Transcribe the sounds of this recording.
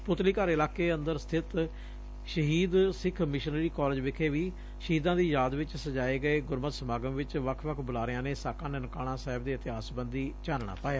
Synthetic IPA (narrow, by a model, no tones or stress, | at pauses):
pʊt̪liːkəɾɪlaːkeːənd̪əɾst̪ʰɪt̪ | ʃəɦiːd̪sɪkʰmɪʃənɾiːkɔːld͡ʒʋɪkʰeːʋiː | ʃəɦiːd̪ãːd̪iːjaːd̪ʋɪt͡ʃsəd͡ʒaːeːɡəeːɡʊɾmət̪səmaːɡəmʋɪt͡ʃʋəkʰʋəkʰbʊlaːɾɪjãːneːsaːkãːnenkaːɽ̃ãːsɛːɦɪb̚d̪iːət̪ɪɦaːsbənd̪iːt͡ʃaːnɳa̰ːpaːjaː